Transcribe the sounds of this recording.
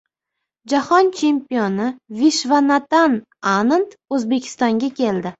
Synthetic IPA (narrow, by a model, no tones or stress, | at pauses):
d͡ʒahɒnt͡ʃʰe̞mpijonɪviʃvanat̪an | anant̪ | ɵzbe̞kʲʰɪ̥st̪ɒŋɡʲakʲʰe̞ld̪ɪ